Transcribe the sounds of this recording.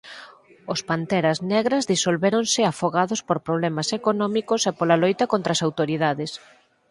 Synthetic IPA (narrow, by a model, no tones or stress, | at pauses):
ospant̪ɛɾɐznɛɣɾɐzðisolβeɾonsɪafoɣaðospoɾpɾoβlɛmasekonɔmikosepolalojt̪ɐkont̪ɾasawt̪oɾiðaðɪs